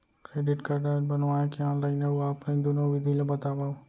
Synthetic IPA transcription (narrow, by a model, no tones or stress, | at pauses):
kɾeɖiʈkaɾɖaebənʋajakiɔ̃nlainəɦuapned̪unoʋid̪ʱilebət̪aʋaʋ